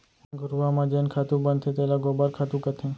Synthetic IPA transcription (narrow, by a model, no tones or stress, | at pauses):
ɡʊɾuʋaːmãːd͡ʒeːnkʰaːt̪ũbənt̪ʰẽt̪eːlaːɡoːbaːɾkʰaːt̪ũːkət̪ʰẽː